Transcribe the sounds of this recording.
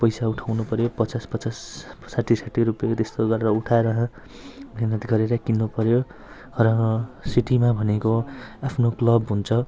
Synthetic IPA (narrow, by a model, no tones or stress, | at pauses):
pʌjsauʈʰawnupʌɾjopʌt͡saspʌt͡sassaʈʰːisaʈʰːiɾupjt̪est̪oɡʌɾeɾʌuʈʰaɾʌɦʌ̃ | bʱenʌt̪ɡʌɾeɾakinːupʌɾjo | rʌsiʈimabʱʌnekoapʰnoklʌbɦunt͡sʰʌ